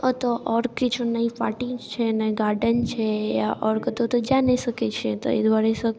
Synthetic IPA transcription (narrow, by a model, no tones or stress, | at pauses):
ət̪oʔɔɾkit͡ʃʰonaĩpaʈĩt͡ʃʰenaiɡaɾɖənt͡ʃʰejaʔɔɾkət̪ot̪od͡ʒãnesəket͡ʃʰẽt̪o̰ḛd̪ʋaɾesək